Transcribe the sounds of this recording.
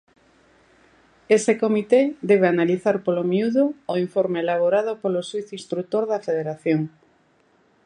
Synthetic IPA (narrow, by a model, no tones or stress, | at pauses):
esekomit̪ed̪eβ̞eanaliθaɾpolomiuðoːiɱfoɾmeelaβ̞oɾað̞opoloswiθinst̪ɾut̪oɾðafeðeɾaθjoŋ